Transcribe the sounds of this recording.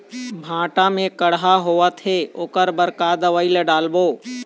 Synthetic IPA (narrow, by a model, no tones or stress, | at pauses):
bʱãːʈamẽkəɽɦaɦoːat̪ʰeoːkəɾbəɾkaːd̪əʋəileɖaːlboː